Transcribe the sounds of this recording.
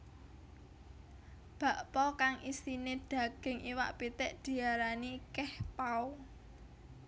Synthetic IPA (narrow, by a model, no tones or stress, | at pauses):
b̥ä̤ʔpɔkaŋʔisineɖ̥a̤ɡ̥ɪ̤ŋʔiwa̰ʔpit̪ɪʔd̪̥i̤aɾanikɛhpau